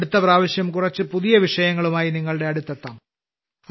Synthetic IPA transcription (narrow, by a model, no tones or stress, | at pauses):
ɽut̪ːɐpraːʋɐɕjɐmkurɐt͡ɕːɨpuðijɐʋiʂɐjɐŋːɐɭumaːjiniŋːɐɭɽe̞ɐɽut̪ːɐt̪ːa̰ːm